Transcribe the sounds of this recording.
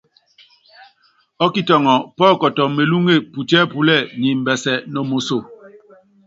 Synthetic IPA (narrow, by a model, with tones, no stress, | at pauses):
ɔ˦ki˦˨tɔ˨ŋɔ˨pɔː˦˨kɔ˨tɔ˨me˨lu˦ŋe˦˨pu˨tɛː˦pu˦lɛ˦˨ɲi˨m̩˨bɛ˨sɛ˨nɔ˨mo˨so˨